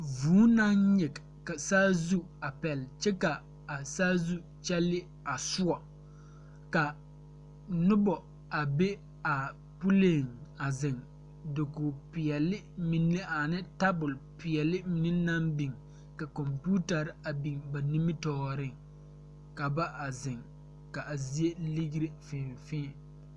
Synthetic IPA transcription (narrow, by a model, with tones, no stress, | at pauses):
vuː˨˦na˦nɲɪ˨k | ka˨saː˦zu˦a˨pɛ˨lt͡ʃɛ˦ka˨ | a˨saː˦zu˦ | t͡ʃɛ˦lːɪ˦ | a˨sʊ˦ɔ˨ | ka˨ | nʊ˦bɔ˨ | a˨be˦ | a˨ | pu˦le˦˨ŋa˨zɪ˨ŋ | dɪ˨ko˨pɪ˨ɛ˨lɪ˦mi˨nːe˦a˨nɪ˦ta˦bʊ˨lpɪ˨ɛ˨lɪ˦m˨nɪ˦nːa˦mbi˨ŋ | ka˨kɔ˨mpu˦ta˨ɾɪ˦a˨bi˨ŋba˨ni˦mɪ˦tɔː˨˦ɾɪ˦˨ŋ | ka˨ba˦ʔa˨zɪ˨ŋ | ka˨a˨zi˦e˦li˦ɡɾe˦fɪ̃˨fɪ̃ː˦